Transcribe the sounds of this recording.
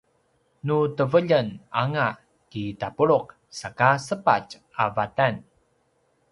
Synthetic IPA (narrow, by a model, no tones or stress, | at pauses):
nutəvəʎənaŋa | kitapuɾuq̚ | sakasəpa̰t͡ʃ | a̰vatan